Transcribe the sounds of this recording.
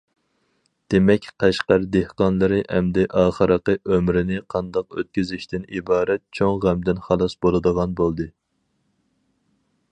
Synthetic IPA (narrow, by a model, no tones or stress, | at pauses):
d̪̥emɛkʲqʰɛʃqəɾd̪ehqɑnlˠɨɾɨʔɛmd̪ɛʔɑːχəɾəqəʔømɾɪnɪqʰɑnd̪ɑqø̰t̪̚kʲyzɪʃt̪ɪnibɑːɾɛt̪̚t͡ʃʰoŋʁæmd̪ɪnχɑlˠɑsbolˠɨd̪əʁɑnbolˠd̪ɨ